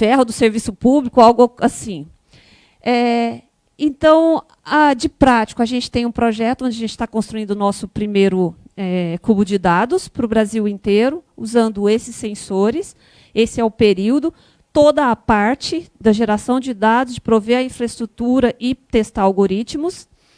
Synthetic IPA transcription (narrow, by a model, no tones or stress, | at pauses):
fɛɦɐd̪ʊseɾvisʊpublikʊawɡʊasĩ | ɛ | ẽnt̪ɐ̃w̃ | ad͡ʒɪpɾat͡ʃɪ̥kʊaʒẽnt͡ʃɪ̥t̪ẽj̃ũpɾoʒɛt̪ʊõd͡ʒɪɐʒẽnt͡ʃɪ̥t̪akõst̪ɾuĩnd̪ʊnɔsʊpɾimejɾʊɛkubʊd͡ʒɪd̪ad̪ʊspɾʊbɾaziwẽnt̪eɾʊuzɐ̃nd̪ʊesɪsːẽsoɾɪs | esɪɛʊpeɾiwd̪ʊ | t̪od̪ɐːpaɾt͡ʃɪd̪ɐʒeɾasɐ̃w̃d͡ʒɪd̪ad̪ʊzd͡ʒɪpɾoveɾɐĩfɾɐɪst̪ɾut̪uɾɐʔɪt̪est̪aɾawɡoɾit͡ʃmʊs